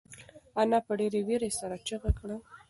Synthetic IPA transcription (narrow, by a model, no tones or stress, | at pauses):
anɑpəɖeɾewiɾesaɾat͡ʃəɣakɽa